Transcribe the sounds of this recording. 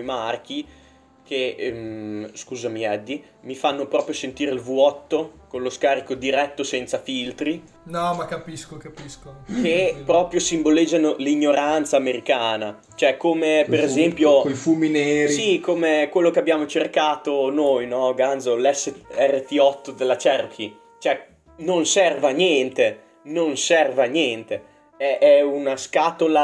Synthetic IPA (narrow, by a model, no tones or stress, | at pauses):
mark̟i | k̟e | skuːzamiɛd̪ːi | mifanːopɾɔːpɾjosent̪iːɾeilvuɔt̪ːokonloskaːɾikod̪iɾɛt̪ːosɛnt̪safilt̪ɾi | nɔmakapiskokapiskok̟epɾɔːpɾjosimboled͡ʒːanoliɲːoɾant̪saːmeɾikaːna | t͡ʃoɛkːomepeɾezɛmpjokojfumineːɾsiikomekwelːokeabːjaːmot͡ʃerkaːt̪onojnɔɡand̪zolɛsːeɛrːet̪iɔt̪ːod̪elːat͡ʃɛrk̟ʰi | t͡ʃoɛ | nonsɛrvanjɛnt̪e | nonsɛrvanjɛnt̪e | ɛʔɛunaskaːt̪ola